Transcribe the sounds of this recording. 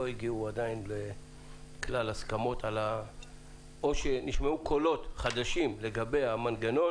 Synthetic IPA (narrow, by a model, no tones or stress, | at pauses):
oiɡiuad̪ainle̞ | klalaskamo̞tʰala | o̞ʃeniʃmeukʰo̞lo̞tχad̪aʃimle̞ɡabe̞jamanɡano̞